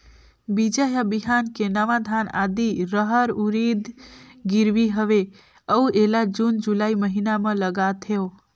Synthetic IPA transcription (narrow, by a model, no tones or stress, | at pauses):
bid͡ʒaɦabiɦankenəʋad̪ʱana̰d̪iɾəɦəɾuɾid̪ɡiɾʋiɦəʋe | əuʔelad͡ʒund͡ʒulaiməɦinamə̃ləɡat̪ʰeo